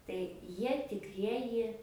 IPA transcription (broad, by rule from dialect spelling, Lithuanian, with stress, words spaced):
tɐɪ ˈjiɛ tʲɪkˈrʲiɛjɪ